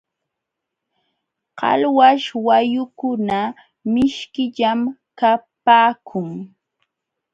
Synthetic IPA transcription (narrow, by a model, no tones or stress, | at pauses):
qɑ̰lwaʃwajʊkʊna | mɪʃkɪʎamkapaːkʰʊŋ